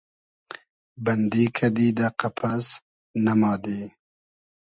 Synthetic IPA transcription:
bɐnd̪iːkʰad̪iːd̪aqapʰas | nɐmɑːd̪e

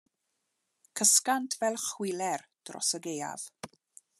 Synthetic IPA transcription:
kʰəskantʰvɛlˠχwɪlɛrd̥rɔ̰səɡeja̰v̥

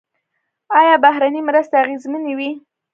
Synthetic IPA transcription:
ɑjɑbahɾanimɾəst̪aaɣezmənewi

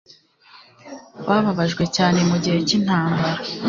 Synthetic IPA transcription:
wʔaβaβaʒɡwe̞caːne̞muɟihe̞cin̥haːmbaɾa

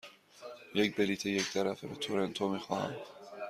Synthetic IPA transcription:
jecbelit̪ʰeject̪ʰæɾæfebet̪ʰoɾent̪ʰomixɒːhæ̰m

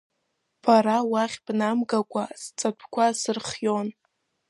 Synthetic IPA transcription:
pʰaɾawaχʲb̥namɡakʷʼast͡sʼapʷʰkʷʰasɨrχjon

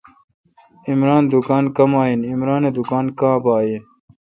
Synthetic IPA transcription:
imɾaːnd̪ukaːnkɐmaːinimɾaːned̪ukaːnkãːbaːjen

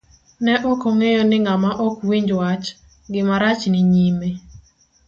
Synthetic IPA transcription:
nɛʔɔkɔŋejɔnɪŋamaʔɔkwiɲd͡ʒwat͡ʃ | ɡɪmaɾat͡ʃnɪɲime

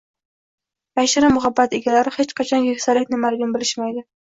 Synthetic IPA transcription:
jaʃɪɾɪmʊɦabːat̪ɪɡʲalaɾɪhet͡ʃqʰɑt͡ʃʰɒnjɪkʲsalɪkʲnɪmalɪɡʲɪnbɪlɪʃmajd̪ɪ

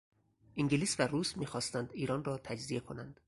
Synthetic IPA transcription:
ʔiŋɟeliːsværuːsmiːxɒːst̪ænd̪iːɾɒːnrɒːt̪ʰæd͡ʒzie̞kʰo̞nænd̪̥

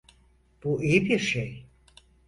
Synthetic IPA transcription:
b̥uʔijibiɾʃej

